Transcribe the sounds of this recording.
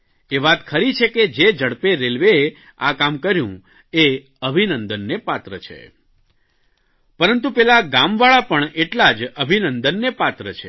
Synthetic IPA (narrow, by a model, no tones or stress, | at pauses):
eʋat̪kʰəɾit͡ʃʰeked͡ʒed͡ʒəɽpeɾelʋee | a̰kamkəɾjṵ̃ | e | əbʱinənd̪ənːepat̪ɾət͡ʃʰḛ | pəɾənt̪ũpɛlaɡamʋaɭapəɳeʈlad͡ʒəbʱinənd̪ənːepat̪ɾət͡ʃʰe